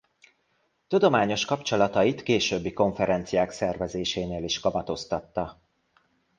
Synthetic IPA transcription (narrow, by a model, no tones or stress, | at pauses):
t̪ud̪o̞maːɲo̞ʃkɒpt͡ʃo̞lɒt̪ɒjit̪keːʃøːbːiko̞ɱfɛɾɛnt̪sijaːksɛrvɛzeːʃeːneːliʃkɒmɒt̪o̞st̪ɒt̪ːɒ